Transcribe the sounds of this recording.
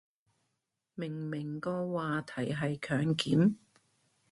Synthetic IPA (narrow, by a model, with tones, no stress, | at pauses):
mɪ˨˩ŋmɪ˨˩ŋkɔː˧waː˨˧t̪ʰɐ˨˩jɦɐ˨jkʰœː˨˧ŋkiː˨˥n